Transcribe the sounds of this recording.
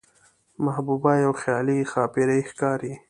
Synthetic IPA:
mahbubɑjawxjɑːlixɑːpiɾejxkɑːɾi

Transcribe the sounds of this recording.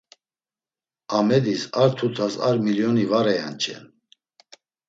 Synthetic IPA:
amɛd̪isaɾt̪ʰut̪ʰasaɾmiljɔnivaɾɛjant͡ʃʰʼɛ̰n

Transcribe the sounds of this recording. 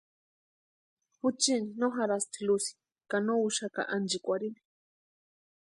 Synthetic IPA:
put͡ʃininoɦaɾast̪ʰilusi̥ | kanouʃaka̰ʔand͡ʒikʷaɾini̥

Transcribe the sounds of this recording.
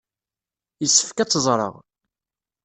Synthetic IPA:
jəsːə̥fkæt͡sːəzˤɾˤə̰ʁ

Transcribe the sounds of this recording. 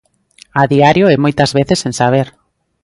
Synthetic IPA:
aðiaɾjoɛmojt̪azβeθesẽnsaβ̞eɾ

